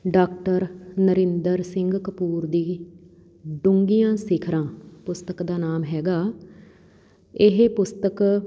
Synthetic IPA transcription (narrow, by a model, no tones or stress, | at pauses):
ɖaːkʈəɾnəɾɪ̃nd̪əɾsɪŋɡkəpuːɾd̪iː | ɖʊŋɡijãːsɪkʰɾãːpʊst̪əkd̪aːnaːmɦɛːɡaː | ɪɦpʊst̪ək